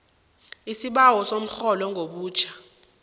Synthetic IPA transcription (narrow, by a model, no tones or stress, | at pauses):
isiɓawɔsom̩xɔlɔŋɡʱoɓuːt͡ʃʰḁ